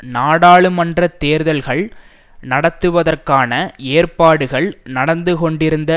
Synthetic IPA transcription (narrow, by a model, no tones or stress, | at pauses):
naːɽaːɭɯmɐndrɐt̪ːeːɾðɐlɣɐɭ | nɐɽɐt̪ːɯʋɐðɐrkaːnɐeːrpaːɽɯɣɐɭnɐɽɐnd̪ɯkɔɳɖɪɾɯnd̪ɐ